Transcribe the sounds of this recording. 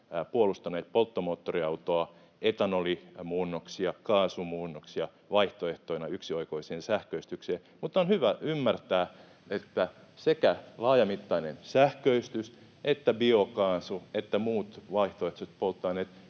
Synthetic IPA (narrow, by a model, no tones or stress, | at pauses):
puolust̪ɑneːt̪̚polt̪ːomoːt̪ːoriɑut̪oɑ | et̪ɑnolimuːnːoksiɑkɑːsumuːnːoksiɑ | ʋɑiht̪oeht̪oinɑyksioikoiseːnsæhkøist̪ykseː | mut̪ːˑonhyʋæymːært̪æː | et̪ːæ | sekælɑːjɑmit̪ːɑinensæhkøist̪ys | ʔet̪ːæbiokɑːsuet̪ːæmuːt̪ʋɑiht̪oeht̪ost̪̚polt̪ːɑineːt̪